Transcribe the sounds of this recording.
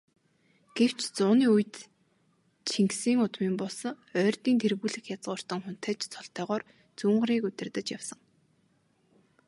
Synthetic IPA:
ɡ̥ew̥t͡ɕt͡sʊːniːujt̪ | t͡ɕʰiŋksiːŋʊt̪miːmpɔɮs̆ | œːrt̪iːnt̪ʰerɣuːɮɘ̆xjat͡sʁʊːr̥t̪ə̆ŋχʊn̥t̪ʰæːt͡ɕt͡sʰɔɬt̪œːʁɔːr | t͡suːɴɢə̆ɾiːkɵt̪ʲɪ̆rt̪ə̆t͡ɕjawsə̆ŋ

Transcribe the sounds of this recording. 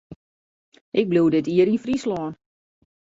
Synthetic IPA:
ʔɪk̚bluwdɪtiəɾinfrislɔːən

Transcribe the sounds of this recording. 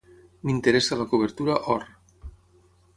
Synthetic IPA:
mint̪eɾesalakuβ̞eɾt̪uɾaʔɔɾ

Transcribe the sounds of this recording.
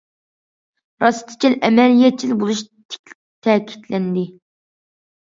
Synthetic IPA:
ɾɑst̪ʰɨ̥t͡ʃʰilʔɛmɛlijɛt̪̚t͡ʃʰilbolˠuʃt̪ʰɪ̥kʲ | t̪ʰɛkʲʰi̥t̪ʰlɛnd̪ɪ

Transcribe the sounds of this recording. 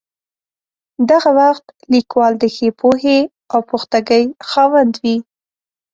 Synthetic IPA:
d̪aɣawaxt̪likwɑld̪əxepʰohe | awpoxt̪aɡəjxɑwand̪wi

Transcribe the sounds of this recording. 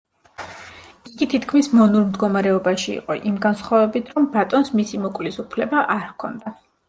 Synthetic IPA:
iɡit̪ʰit̪ʰkʰmismɔnuɾmd̪ɡɔmaɾɛɔbaʃiḭqʼɔʔimɡansχwavɛbit̪ʰɾɔmbat̪ʼɔnsmisimɔkʼvlisupʰlɛbaʔaɾkʰɔ̰nd̪a

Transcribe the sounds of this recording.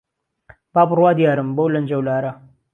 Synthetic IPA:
b̥aːbʊrwaːd̪jaːɾɨmbɐwlɐnd͡ʒɐwlaːɾɐ

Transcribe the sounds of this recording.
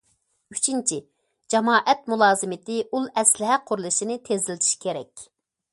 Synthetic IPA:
yt͡ʃʰint͡ʃʰi | d͡ʒɑmɑːʔɛt̪̚mulˠɑːzɨmɪt̪ɪʔulˠɛslɪɦɛqʰʊɾlˠɨʃinɪt̪ʰezɪld̪ʰi̥ʃkʲʰeɾɛkʲ

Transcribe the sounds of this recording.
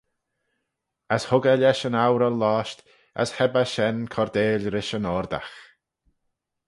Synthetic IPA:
əshʊɡəlɛʃənawɾəlaːʃt | ə̰shɛbaʃɛnkʰɔɾd̪eːlʲɾɪʃənɔɾd̪a̰x

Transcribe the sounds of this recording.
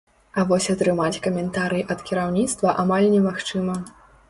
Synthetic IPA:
ɐvɔsʲɐt̪ɾɨmat͡sʲkɐmʲɛnt̪aɾɨjiʔɐt̪kʲiɾawnʲit̪st̪vɐʔamalʲnʲɛmaxt͡ʂɨmɐ

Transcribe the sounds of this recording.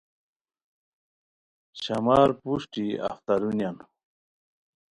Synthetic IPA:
ɕamaːɾpuʂʈia̰ft̪aɾunjan

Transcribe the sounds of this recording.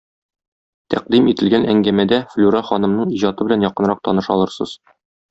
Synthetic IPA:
t̪æq̚d̪imit̪ɘ̆lɡænʔæŋɡæmæd̪æflʲuɾɑχɒnɤ̆mnɤɴiʑɑt̪ɤbɘ̆lænjɒqɤ̆nɾɑq̚t̪ɒnɤʃɒlˠɤ̆ɾsɤz̥

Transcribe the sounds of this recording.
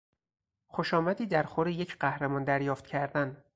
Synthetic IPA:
xoʃɒːmæd̪iːd̪æɾxoɾejecʰɢæhɾemɒːnd̪æɾjɒːft̪cʰæɾd̪æn

